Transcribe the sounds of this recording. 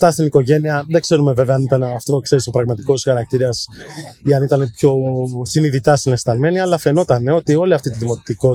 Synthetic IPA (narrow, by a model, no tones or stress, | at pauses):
t̪ɐst̪iniko̞ʝe̞niɐðe̞ɡse̞ɾume̞ve̞veɐnit̪ɐnɐft̪o̞kse̞ɾisopɾɐɣmɐt̪i̥ko̞sxɐɾɐk̚t̪iɾɐsiɐnit̪ɐne̞pço̞siniðit̪ɐsinest̪ɐlme̞niɐlɐfe̞no̞t̪ɐneo̞t̪io̞liɐft̪it̪iðimo̞t̪et̪iko̞t̪